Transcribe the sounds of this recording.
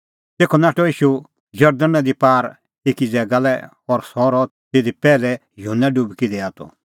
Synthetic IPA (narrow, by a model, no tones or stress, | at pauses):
t̪eːkʰɔnaːʈɔiːʃu | d͡ʒɐɾd̪ənãd̪ipaːɾ | eːkid͡zɛːɡalɛ | ɔɾsɔːɾɔt̪eːd̪ipɛːlɛ | jʊɦunːaɖubkid̪ɛaːt̪ɔ̰